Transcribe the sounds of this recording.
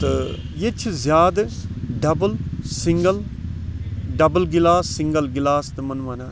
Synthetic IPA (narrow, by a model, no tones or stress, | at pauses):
t̪ɐ | jet͡ʃʰzjaːd̪ɖɐbəlsɪŋɡəl | ɖɐbəlɡɪlaːsːɪ̃ŋɡəlɡɪlaːst̪mɐnʋanaː